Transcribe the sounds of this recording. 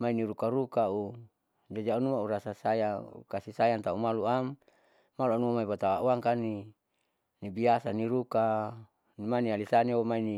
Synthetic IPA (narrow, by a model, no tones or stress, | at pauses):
mainiɾukaɾukau | d͡ʒad͡ʒaunuauɾasasajaṵkasisajant̪aumaluamː | aluanuamaipat̪awauaŋkani | nibiasaniɾuka | nimanialisaniwomaini